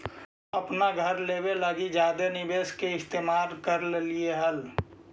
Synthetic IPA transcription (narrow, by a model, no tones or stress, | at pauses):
əpnaɡʱəɾleːbeləɡid͡ʒaːd̪enɪbeːskeɪst̪eːmaːɾkəɾllieɦəl